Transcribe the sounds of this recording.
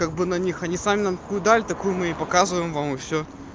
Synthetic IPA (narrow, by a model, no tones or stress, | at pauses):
kaɡ̚bɨnɐnʲixɐnʲisamʲɪnamt̪ɐ̥kujʊd̪alʲɪt̪ɐkujʊmɨɪpɐkazvəjɪmvamɨfsʲo